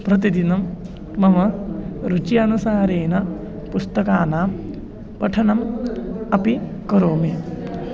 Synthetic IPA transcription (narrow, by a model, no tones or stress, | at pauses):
prɐt̪̬id̪inɐmː | ɐmɐɾut͡ʃijɐnusaːɾeːnɐ | pust̪ɐkaːnaː | pɐʈʰɐɳɐmɐpikɐɾoːmi